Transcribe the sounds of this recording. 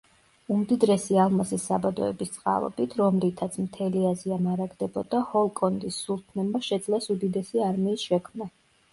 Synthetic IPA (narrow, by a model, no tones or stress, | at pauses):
umd̪id̪ɾɛsialˠmasisːabad̪ɔɛ̰bist̪sʼqʼa̰lˠɔ̰bit̪ʰɾɔmlit̪ʰat̪sʰmt̪ʰɛliaziamaɾaɡd̪ɛbɔd̪ahɔlˠkʼɔnd̪isːulˠt̪ʰnɛmaʃɛd̪zlɛsud̪id̪ɛsiaɾmiːsʃɛkʰmna